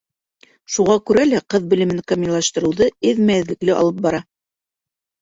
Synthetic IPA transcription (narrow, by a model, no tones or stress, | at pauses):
ʃuʁɑkʉɾælæqɤðbɘ̆lɘ̆mɘŋkɑmilˠɑʃt̪ɤ̆ɾɤ̆wðɤɘðmæɘ̆ðlɘ̆klɘʔɑ̰lˠɤp̚bɑɾɑ